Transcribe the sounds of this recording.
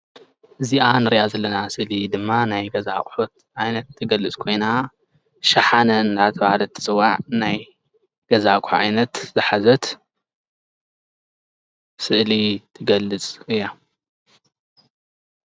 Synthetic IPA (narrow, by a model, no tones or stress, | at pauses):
ʔɨziʔanɨɾijazɐlːɐnasɨʔlid̪ɨmːanajɡɐza̰kʼħot̪̚ | ʔajnɐt̪ʰːɨɡɐlːɨt͡sʼkʰo̞jna | ʃɐħanɐnlat̪ʰɐβahlɐt̪ʰːɨ̥t͡sʼɨwːaʕnaj | ɡ̥ɐzakʰuʕa̰jnɐt̪zɨħazɐt̪ | sɨʔlit̪ʰɨɡɐlːɨt͡sʼɨjːa